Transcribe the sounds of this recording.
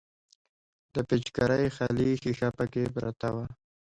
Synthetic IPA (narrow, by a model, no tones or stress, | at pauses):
d̪əpet͡ʃkaɾəjxalixixapəkepɾa̰t̪awa